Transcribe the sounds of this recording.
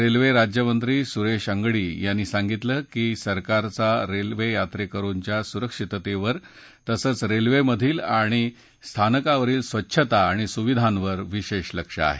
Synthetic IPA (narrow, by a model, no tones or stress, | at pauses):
ɾelʋeɾad͡ʑjəmənt̪ɾiːsuɾeʂəŋɡɽiːjanːiːsãŋɡit̪ləkiːsəɾkaɾt͡saɾelʋejat̪ɾekəɾuɲt͡ɕjasuɾəkʂit̪t̪eʋəɾ | t̪əsəːt͡sɾelʋeməd̪ʱiːlaɽ̃i | st̪ʰanəkaʋəɾiːlsʋətːɕʰət̪aːɽ̃isuʋid̪ʱãnʋəɾʋiɕeɕləkʂə̰a̰ɦe